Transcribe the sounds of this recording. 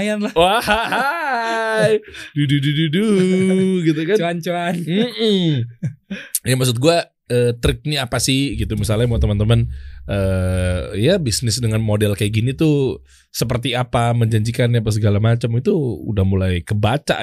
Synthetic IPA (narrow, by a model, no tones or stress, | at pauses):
janlawahaɦa | jdududududu | ɡit̪̬ukanant͡ʃoanm̩ʔm̩ | jaŋmaks̬ʊt̪̚ɡua | əːt̪ɾɪk̚niapasɪhɡit̪umisalɲamuat̪əmant̪əmanʔəːijabisnɪsdəŋanmodɛlkajaɡinit̪u | səpərt̪iapaməɲd͡ʒaɲd͡ʒikanːapas̬əɡalamat͡ʃəmit̪uṵdahmulajkəbat͡ʃa̰